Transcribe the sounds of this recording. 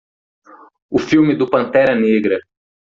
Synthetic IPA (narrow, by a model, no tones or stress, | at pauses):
ʊfiwmɪd̪ʊpɐ̃nt̪ɛɾɐneɡɾɐ